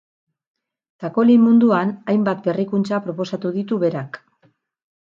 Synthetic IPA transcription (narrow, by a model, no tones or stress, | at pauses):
t̪ako̞limund̪uanajmbat̪be̞rikunt͡sapɾo̞po̞sat̪uðit̪uβe̞ɾak